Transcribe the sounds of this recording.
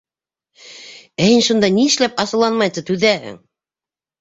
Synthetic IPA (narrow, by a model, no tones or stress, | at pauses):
æhinʃund̪ɑniɘ̆ʃlæpɑsɤ̆lˠɑnmɑjt̪ɤt̪ʉðæhɘ̰ŋ